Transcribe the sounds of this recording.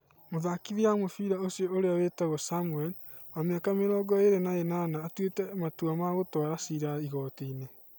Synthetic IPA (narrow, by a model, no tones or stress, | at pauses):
moðakiðiamofiɾaosiɔoɾeawetaɣɔsamuɛl | wameakameɾɔːɡɔeɾenaenanaːtwetɛmatuamaɣotɔɾasiɾaiɣɔːteine